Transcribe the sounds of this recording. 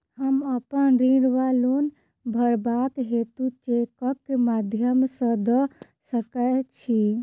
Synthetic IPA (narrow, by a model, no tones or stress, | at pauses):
həməpənɾiɽʋalon | bʱəɾbakɦet̪ut͡ʃekəkːemad̪ʱjəmsə̃d̪ə | səkət͡ʃʰi